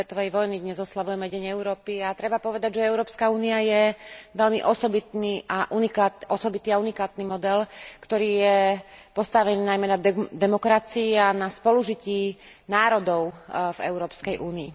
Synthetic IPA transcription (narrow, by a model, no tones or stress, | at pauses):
ɛt̪ɔʋɛjʋɔjnid̪ɲɛzɔslaʋujɛmɛɟɛɲɛʊɾɔːpiat̪ɾɛbapɔʋɛd̪aɟʒɛɛʊɾɔːpskauːniajɛʋɛʎmiʔɔsɔbit̪niːʔaʔunikat̪ʔɔsɔbit̪iːaunikaːt̪niːmɔd̪ɛlkt̪ɔɾiːjɛpɔst̪aʋɛniːnajmɛnad̪ɛmɔkɾat͡siianaspɔluʒiciː | naːɾɔd̪ɔʊvɛ̰ʊɾɔːpskɛjʔuːniḭ